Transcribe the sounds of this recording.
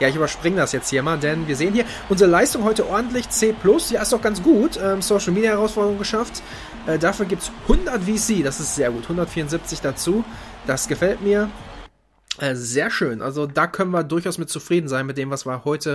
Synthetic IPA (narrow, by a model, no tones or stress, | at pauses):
jaːɪçyːbɐʃpʁ̥ɪŋədasjɛt͡sthiːɐmaːldɛnviːɐzeːənhiːɐ | ʔʊnzəʁəlaɪstʊŋɦɔʏtəʔɔɐdn̩tlɪçt͡seːpʰl̥ʊsjaːɪstaʊxɡ̥ant͡sɡ̥uːtʔɛːmsoʊʃl̩miːdjahɛʁaʊsfɔɐdəʁʊŋɡəʃaft | ʔɛːdafyːɐɡiːp̚tshʊndɐtv̥iːsiːdasɪstz̥eːɐɡuːthʊndɐtfiːɐʁʊnzɪp̚t͡sɪçd̥at͡suːd̥asɡ̥əfɛltmiːɐ | ʔɛːzeːɐʃøːnʔa̰lzodaːkʰœnənviːɐdʊɐçʔaʊsmɪt̚t͡sufʁ̥iːdn̩zaɪnmɪt̚d̥eːmvasv̥iːɐhɔʏtə